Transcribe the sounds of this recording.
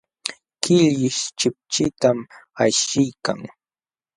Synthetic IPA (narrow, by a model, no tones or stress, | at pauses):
kɪljɪʃt͡ʃɪp̚t͡ʃɪt̪amajʃɪjka̰ŋ